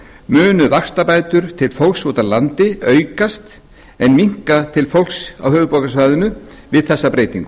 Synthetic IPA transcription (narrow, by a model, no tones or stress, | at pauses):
mʏːnʏvakst̪apaːjt̪ʏɾ̥t̪ʰɪlfowlksvowt̪alant̪ɪœːɥkast̪ | ɛnmiŋ̥kat̪ʰɪlfowlksa̰whœːvʏpɔːkasvaːjðʏnʏ | vɪðθɛsːapɾeːjt̪iŋk